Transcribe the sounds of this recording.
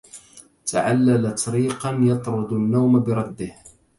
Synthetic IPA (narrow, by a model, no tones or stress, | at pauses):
t̪ʰa̰ʕalːalat̪ɑɾiːqɑnjɑt̪ˤɾˤʊd̪ʊnːawmabɪɾˤɑd̪ːɪh